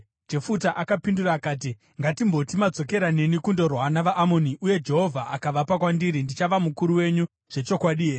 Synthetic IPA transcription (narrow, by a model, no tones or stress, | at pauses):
d͡ʒe̞futaʔakapinduraːkaːt̬i | ŋɡatimbo̞timad͡zo̞ke̞ɾane̞nikundo̞rwanaʋaʔamo̞niʔuje̞d͡ʒe̞ɦo̞vʱaʔakaʋapakwandiɾindit͡ʃaʋamukuɾuwe̞ɲu | ʐ̥e̞t͡ʃo̞kwaɗie